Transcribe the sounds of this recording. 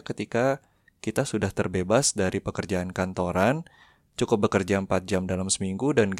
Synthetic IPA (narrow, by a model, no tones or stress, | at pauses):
kət̪ika | kit̪asudaht̪ərbebasdaɾipəkərd͡ʒaankant̪oɾan | t͡ʃukʊp̚bəkərd͡ʒaəmpat̪̚d͡ʒamdalamsəmiŋɡudanɡ